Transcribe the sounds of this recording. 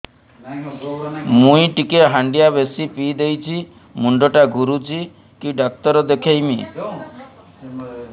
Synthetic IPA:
mũiʈikeɦaɳɖijabesipid̪ejt͡ʃʰi | muɳɖɔʈaɡuɾut͡ʃʰi | kiɖak̚t̪ɔɾɔd̪ekʰejmḭ

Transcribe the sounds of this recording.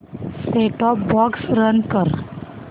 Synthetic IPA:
seʈɔpbɔksɾənkəɾ

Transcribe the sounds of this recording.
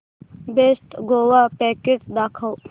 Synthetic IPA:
besʈ̪ɡoːwaːpeːkeʈd̪aːkʰɐw

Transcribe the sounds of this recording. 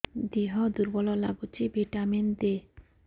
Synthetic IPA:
d̪iɦɔd̪uɾbɔlɔla̰ɡut͡ʃibeʈamend̪e

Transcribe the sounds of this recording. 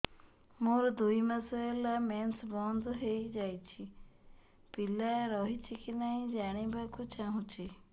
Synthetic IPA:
moɾd̪uimasaelamɛnsbɔnd̪ʱɔɦejd͡ʒajt͡ʃʰi | pilaeɾɔɦit͡ʃʰikinaɦĩd͡ʒaɽ̃ibʱakut͡ʃʰaɦũt͡ʃʰi

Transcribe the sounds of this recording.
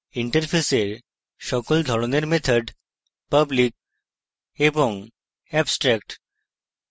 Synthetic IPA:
iɳʈəɾpʰeseɾ | ʃɔkold̪ʱɔɾoneɾmet̪ʰəɖ | pəblik̚ | eboŋ | ɛbsʈɾɛkʈ

